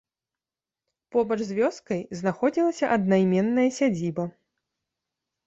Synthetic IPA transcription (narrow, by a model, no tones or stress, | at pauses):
pɔbɐʐzʲvʲɔskɐjznaxɔd͡zʲilˠɐsʲɐʔɐd̪najmʲɛnːɐjɐsʲad͡zʲibɐ